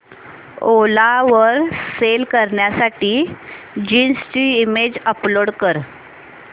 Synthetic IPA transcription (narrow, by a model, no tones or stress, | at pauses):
olaʋəɾselkəɾɳjasaʈiː | d͡ʑinst͡ɕiːmed͡ʑəploɽkəɾ